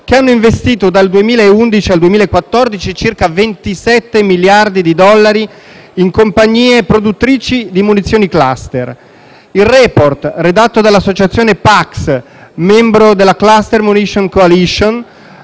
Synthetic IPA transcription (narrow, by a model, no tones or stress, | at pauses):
keanːoiɱvest̪iːt̪od̪ald̪uemiːlaeund̪it͡ʃiald̪uemilaekːwat̪ːɔrd̪it͡ʃit͡ʃirkavent̪isɛt̪ːemiljard̪id̪id̪ɔlːaɾi | iŋkompaɲːiːepɾod̪ut̪ːɾiːt͡ʃid̪imunit̪sːjoːnikla̰st̪er | ilrɛport̪red̪at̪ːod̪alːasːot͡ʃat̪sːjoːnepaks | mɛmbɾod̪elːaklast̪ermuniʃoŋkoaliʃon